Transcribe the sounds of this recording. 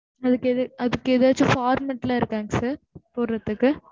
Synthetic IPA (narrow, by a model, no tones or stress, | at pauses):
ɐðɯkːɛðɯɐðɯkːɯɛðaːt͡ʃːɯfaːɾmɐʈːɪlaːɪɾɯkːaːŋɡɐsaːɾpoːɾɾɐt̪ːɯkːɯ